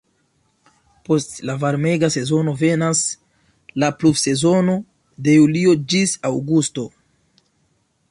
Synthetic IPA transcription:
po̞stlavaɾme̞ɡase̞zo̞no̞ve̞nas | laplufse̞zo̞no̞ | de̞julio̞d͡ʒisawɡusto̞

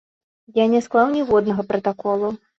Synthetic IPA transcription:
janʲɛsklˠawnʲɛvɔd̪nɐɣɐpɾɐt̪akɔlˠu

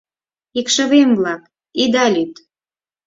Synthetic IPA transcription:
ikʃəβemβlɑk | id̪ɑlʲyt̪

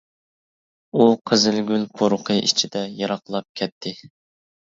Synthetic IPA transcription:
uqʰəzɪlɡʲylpʰoɾʊqʰəʔḭt͡ʃʰid̪ɛjɑɾɑqlˠɑp̚kʲʰɛt̪ʰːɪ

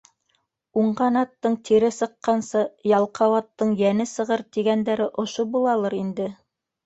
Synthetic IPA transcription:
uɴɢɑnɑt̪ːɤɴt̪ʰiɾɘsɤ̆qːɑnsɤjɑlˠqɑwɑt̪ːɤɴjænɘsɤ̆ʁɤɾt̪iɡænd̪æɾɘʔŏʃobulˠɑlˠɤɾind̪ɘ

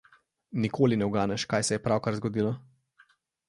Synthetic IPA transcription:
nikʰoːlinɛwɡaːnɛʃkaːjsɛjɛpɾawkaɾzɡɔd̪iːlɔ

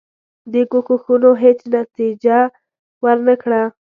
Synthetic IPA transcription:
d̪əkukuxunoɦet͡snat̪id͡ʒa | wəɾnəkɽa

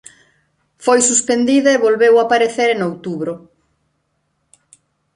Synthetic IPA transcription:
fojsuspend̪iðɐeβolβewapaɾeθeɾenowt̪uβɾʊ

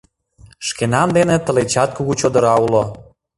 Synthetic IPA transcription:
ʃkenɑnd̪enet̪əlet͡ɕɑt̪̚kuɣut͡ɕod̪əɾɑulo

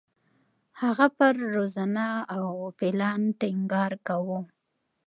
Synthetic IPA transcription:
haɣapəɾːozanaawpɪlɑnʈɪŋɡɑɾkawu

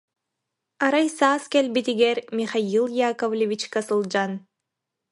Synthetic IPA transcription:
ɑɾɑjsɑːskelʲbit̪iɡeɾmʲiχailˠjakovlʲevʲit͡ʃkasɨlˠd͡ʒan

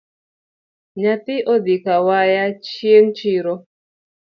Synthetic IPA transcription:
ɲat̪ɪʔod̪ikawajat͡ʃjeŋt͡ʃiɾo

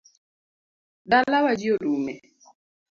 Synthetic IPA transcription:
dalːawad͡ʒiodumɛ

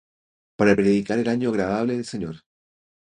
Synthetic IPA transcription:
paɾapɾeðikaɾe̞laɲoaɣɾaðaβleðelseɲo̰ɾ

